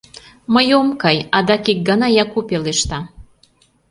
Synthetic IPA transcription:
məjomkɑjɑd̪ɑkik̚ɡɑnɑjɑkupeleʃt̪ɑ

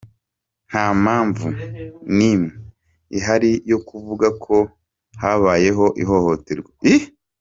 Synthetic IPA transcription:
n̥hamaːɱvunime | iɦaɾijo̞kuvuɡakʰo̞ | haβaːje̞ɦo̞ʔiɦo̞ho̞teɾɡwei

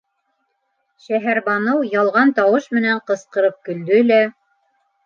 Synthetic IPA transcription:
ʃæɦæɾβɑnɤwjɑlˠʁɑnt̪ɑwɤʃmɘ̆næɴqɤ̆sqɤ̆ɾɤp̚kɵ̆ld̪ɵlæ

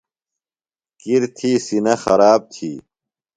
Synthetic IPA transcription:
kiɾt̪ʰiːsinɐxɐɾaːb̚t̪ʰiː

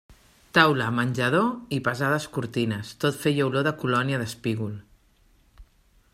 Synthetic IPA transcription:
t̪awləmənʲʒəð̞oipəzað̞əskuɾt̪inəst̪ot̪fejəwloðəkulɔniəðəspiɣul

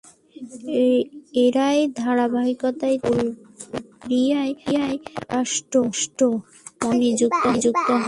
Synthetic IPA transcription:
eɾaed̪ʱaɾabaɦikot̪aeku | ɾijaejaeaʃʈoʃʈo | mɔnid͡ʑuk̚t̪od͡ʑuk̚t̪oɦ

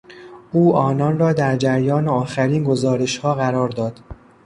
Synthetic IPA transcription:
ʔuːʔɒːnɒːnrɒːd̪æɾd͡ʒæɾjɒːneɒːxæɾiːnɡo̞zɒːɾe̞ʃhɒːɣæɾɒːɾd̪ɒːd̪̥

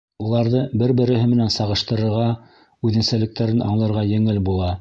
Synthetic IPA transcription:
ulˠɑɾðɤbɘɾbɘ̆ɾɘ̆ɦɘmɘ̆nænsɑʁɤ̆ʃt̪ɤ̆ɾɤ̆ɾʁɑ | ʉðɘ̆nsælɘ̆k̚t̪æɾɘnʔɑ̰ɴlˠɤ̆ɾʁɑjɘ̆ŋɘlbulˠɑ

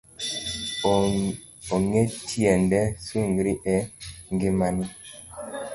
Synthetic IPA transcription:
oŋetiɛndɛsuŋɡɾiʔɛŋɡimani

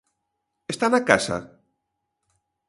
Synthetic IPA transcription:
est̪anakasa̰

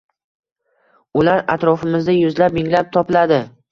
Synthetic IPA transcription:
ʊlaɾa̰t̪ɾɒfɪmɪzd̪ajʊzlapmɪŋlap̚t̪ʰɒpɪlad̪ɪ

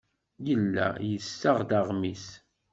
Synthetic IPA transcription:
jəlːæ̰jəsːaʁd̪aʁmis

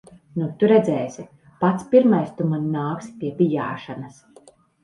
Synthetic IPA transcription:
nut̪uɾɛd̪zɛːsi | pat̪spiɾmajst̪umannaːkspʲiɛbʲija̰ːʃanɐs

